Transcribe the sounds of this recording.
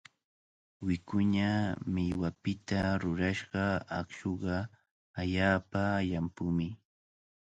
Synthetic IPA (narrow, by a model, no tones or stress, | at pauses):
wɪkʊɲamɪjwapɪt̪aɾʊɾaʃɢɑa̰kʃoɢɑ | aʎaːpaʎampʊmɪ